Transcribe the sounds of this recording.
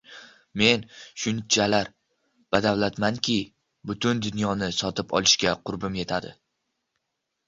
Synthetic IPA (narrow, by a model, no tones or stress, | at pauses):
me̞nʃʊnt͡ʃʰalaɾ | b̥ad̪awlat̪maŋkʲɪ | bʊt̪ʰʊnd̪ʊnjɒnɪsɒt̪ɪpɒ̰lˠɪʃkʲaqʰʊɾbɪmje̞t̪ʰad̪ɪ̰